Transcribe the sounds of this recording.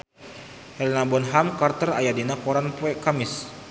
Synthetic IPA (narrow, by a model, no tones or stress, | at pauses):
hɛlinabɔnɦamkart̪ərajadinakɔɾanpuɛkamɪs